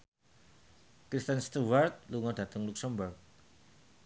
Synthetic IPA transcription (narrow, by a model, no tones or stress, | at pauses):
kɾist̪ənst̪uwart̪̚luŋɔdä̤t̪ʊŋluk̚səmbʊrk̚